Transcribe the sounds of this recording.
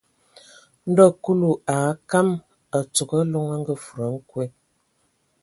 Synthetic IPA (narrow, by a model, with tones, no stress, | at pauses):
n̩˦dɔ˦˨ku˦lu˨a˨˦ka˦m | ə˨t͡su˨kə˦lo˦ŋə˦ŋ̩˦ɡə˦fu˨ɾə˨˦ŋ̩˦kwe˦